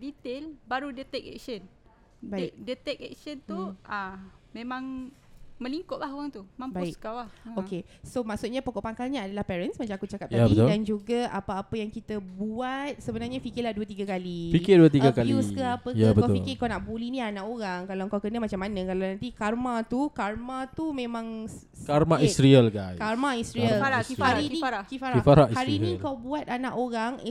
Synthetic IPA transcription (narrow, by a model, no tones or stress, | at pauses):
dit̪elbaɾudət̪ɛk̚ɛ̰k̚ʃən | baikdət̪ɛk̚ɛk̚ʃənt̪uʔamẽmãŋ | mə̃liŋkʊʔlahɦoɾaŋt̪umãmbaikkawahoke | somaʔsut̪̚ɲapokɔʔpaŋkalɲaːdalahpɛɾənsmat͡ʃamakut͡ʃakap̚t̪abət̪odand͡ʒuɡaapaːpəjaŋkit̪əbuat̪̚səbənarɲafikɪlahduət̪iɡakalifikɪduət̪iɡakaljiuskəapəkjabətkaʊfilkɪkawnaʔbulinĩanãʔoɾaŋkalawəŋkawkənəmat͡ʃamːanə̃kalawnãnt̪ikarmãt̪ukarmat̪umẽmãŋ | kaɾmaisɾiəlkajkarmaist̪ɾiəlaɾiaɾinĩaɾakifaɾifaɾaʔhaɾinikawbuat̪̚anãʔoɾaŋ